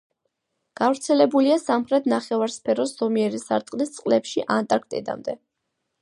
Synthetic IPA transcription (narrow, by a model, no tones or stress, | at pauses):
ɡ̥avɾt̪sʰɛlɛbuliasamχɾɛt̪ʰnaχɛvaɾspʰɛɾɔsz̥ɔmiɛɾisaɾt̪ʼqʼlist̪sʼqʼlɛpʃiʔant̪ʼaɾk̚ʰt̪ʼɛ̰d̪a̰md̪ɛ